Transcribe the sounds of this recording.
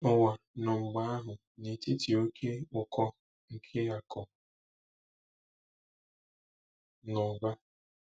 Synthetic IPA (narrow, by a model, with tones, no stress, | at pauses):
ʊ˨wa˨ | nʊ˨ŋ͡m̩˨ɡ͡ba˦a˦ɦʊ˨ | ni˨ti˦ti˨o˦kʰe˦ʊ˨kʰɔ˦ | ŋ̩˨kʰe˦a˨kʰɔ˨ | nɔ˨ɡ͡ba˦